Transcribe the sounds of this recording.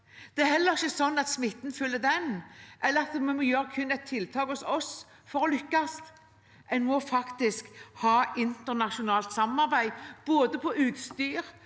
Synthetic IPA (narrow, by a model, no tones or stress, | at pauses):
d̪̥ɛæɾhɛlːəɾɪçːəsɔnːɑt̪smɪt̪ːn̩fʏlːəd̪ɛnʔɛlːəɾɑt̪mmɔjøːɾəkʰʉnːɛt̪ʰːɪlt̪ʰɑːkhʊsɔs | fɔɾɔlʏkːɑst̪ | ʔɛnmɔfɑkt̪ɪskhɑːʔɪnt̪əɾnɑʂʊnɑːlt̪sɑmːɑɾbæɪb̥oːd̪əpʰɔʔʉːt̪st̪yːɾ